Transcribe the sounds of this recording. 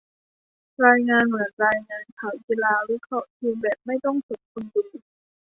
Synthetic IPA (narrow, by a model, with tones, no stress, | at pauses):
ɾaː˧jŋaː˧nmɯ˩˦ənɾaː˧jŋaː˧nkʰaː˨˩˦wki˧laː˧wi˦˥kʰɾɔ˦˥ʔt̪ʰiː˧mbɛː˨˩p̚ma˥˩jt̪ɔ˥˩ŋso˨˩t̪̚kʰu˧nduː˧˩